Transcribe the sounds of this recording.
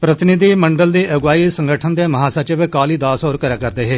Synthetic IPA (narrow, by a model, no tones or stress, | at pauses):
pɾət̪ɪnɪd̪iːməɳɖəld̪iːʔəɡʋaːiːsəŋɡəʈʰənd̪eːməɦaːsat͡ʃeʋekaːliːd̪aːsoːɾkəɾaːkəɾd̪eːɦeː